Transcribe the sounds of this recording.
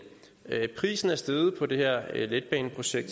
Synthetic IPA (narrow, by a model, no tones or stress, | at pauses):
pʰʁḭːsn̩æɐsd̥eð̩ˠpʰɒ̽d̥e̝hɛɐ̰led̥̚b̥ɛːnpʰʁo̝ɕeɡ̥̚d̥